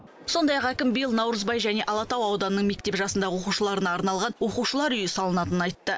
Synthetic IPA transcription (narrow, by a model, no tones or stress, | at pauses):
so̞nd̪ɑjɑqækʲɪmbijlˠnɑwɾəzbɑjʒæne̞ʔɑlˠɑt̪ɑwɑwd̪ɑnənəɴme̞k̚t̪e̞pʒɑsənd̪ɑʁəwo̞quwʃəlˠɑɾənɑːɾnɑlˠʁɑnwo̞quwʃəlˠɑɾʏjɪsɑlˠənɑt̪ənənɑjt̪ːə